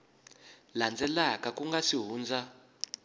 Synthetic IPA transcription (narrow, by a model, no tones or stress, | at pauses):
land͡zɛlakʼakuŋɡasiɦuːnd͡za